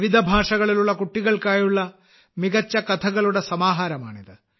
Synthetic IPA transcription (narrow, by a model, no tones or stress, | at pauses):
ʋid̪ʱɐbʱaːʂɐɣɐɭiluɭːɐkuʈːiɣɐɭkaːjuɭːɐ | miɡɐt͡ʃːɐkɐt̪ʰɐɡɐɭuɽɐsɐmaːɦaːɾɐma̰ːɳid̪ɨ